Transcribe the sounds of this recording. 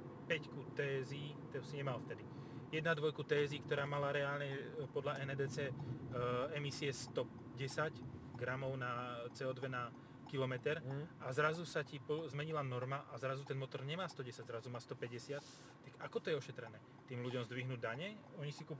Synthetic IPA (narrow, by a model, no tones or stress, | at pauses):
pɛckut̪ɛːziːt̪ɛsiɲɛmalft̪ɛd̪ijɛd̪nad̪ʋɔjkut̪ɛːziːkt̪ɔɾaːmalaɾɛaːlɲɛpɔd̪ʎaʔɛnɛd̪ɛːt͡sɛː | ɛmisiɛst̪ɔ | ɟɛsaɟɡɾamɔʊnat͡sɛːɔːd̪ʋɛna | kilɔmɛt̪ɛɾʔazɾazusacipɔzmɛɲilanɔɾmaʔazɾazut̪ɛnmɔt̪ɔɾɲɛmaːst̪ɔɟɛsaɟzɾazumaːst̪ɔpɛɟɛsɪat̪ː | akakɔt̪ɔjɛɔʃɛt̪ɾɛnɛː | t̪iːmluɟɔmzd̪ʋiɦnuːɟd̪aɲɛɔɲisikup